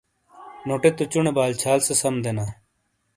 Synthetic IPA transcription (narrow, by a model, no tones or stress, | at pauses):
noːʈet̪ut͡ɕuɳebaːlt͡ɕʰaːlsesɐmd̪enaː